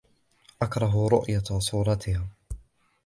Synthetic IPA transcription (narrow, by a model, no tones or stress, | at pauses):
ʔakɾˤɑɦɾʊ̰ʔjasˤuːɾˤɑt̪ʰɪhaː